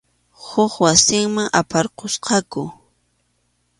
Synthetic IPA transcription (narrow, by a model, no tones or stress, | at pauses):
hʊχwasɪŋmaŋʔa̰paɾqosqɑkʊ